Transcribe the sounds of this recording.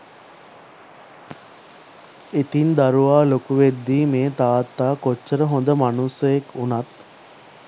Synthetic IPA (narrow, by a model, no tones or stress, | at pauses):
et̪ind̪aɾuʋaːlokuʋed̪ːiːmeːt̪aːt̪ːaːkot͡ʃːəɾəɦond̪əmanusɐjekʰunat̪